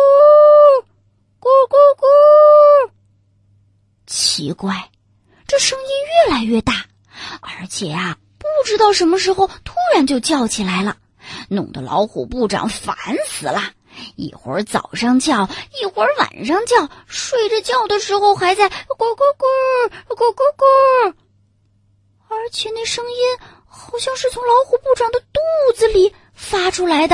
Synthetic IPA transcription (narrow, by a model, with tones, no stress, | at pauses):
kkkɔ˥ | t͡ɕʰḭ˧˥kwa˥˩ɪ | ʈ͡ʂɤ˥˩ʂɤ˥ŋi˥nɥɛ˥˩la˧˥ɪɥɛ˥˧t̪a˥˩ | ə˞˧˥t͡ɕʰjɛ˨˩ɐ˧ | pu˥˩ʈ͡ʂɻ̩˥t̪ɑ˥˩ʊʂə˧˥nmə˧ʂɻ̩˧˥xo˧ʊt̪ʰu˥ɻa˧˥nt͡ɕjo˥˧ʊt͡ɕjɑ˥˩ʊt͡ɕʰi˨˩la˧˥ɪlə˧ | nʊ˨˩ŋd̪ə˦lɑ̰˧˥ʊxṵ˨˩pu˥˩ʈ͡ʂɑ̰˨˩ŋfa̰˧˥nsɹ̩˨˩lɐ˧ | ḭ˨˩xwə̰˧˥t͡sɑ̰˨˩ʊʂɑ˥ŋt͡ɕjɑ˥˩ʊi˥˨˩xwə˧˥wa̰˨˩nʂɑ˥ŋt͡ɕjɑ˥˩ʊʂwe˥˩ɪʈ͡ʂə˨˩t͡ɕjɑ˥˩ʊd̪ə˩ʂɻ̩˧˥xo˥˧ʊxa˧˥ɪt͡sa˥˩ɪkɔ˧˥kɔ˥kə˥kɔ˥kkə˥ | ə˞˧˥t͡ɕʰjɛ˨˩ne˥˩ɪʂɤ˥ŋi˥n | xɑ˨˩ʊɕjɑ˥˧ŋʂɻ̩˥˩t͡sʰʊ˧˥ŋlɑ˧˥ʊxu˨˩pu˥˩ʈ͡ʂɑ˨˩ŋd̪ə˦t̪u˥˩d͡zɹ̩˧li˨˩ | fa˥ʈ͡ʂʰu˥la˧˥ɪd̪ə˧